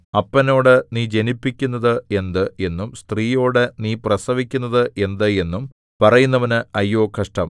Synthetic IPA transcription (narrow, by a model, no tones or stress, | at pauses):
ɐpːɐno̞ːɽɨniːd͡ʑe̞nipːikʲːunːɐðɨe̞nd̪ɨe̞nːumst̪riːjo̞ːɽeniːprɐsɐʋikʲːunːɐðɨʔe̞nd̪ɨe̞nːum | pɐrɐjunːɐʋɐnɨɐjːo̞ːkʰɐʂʈɐm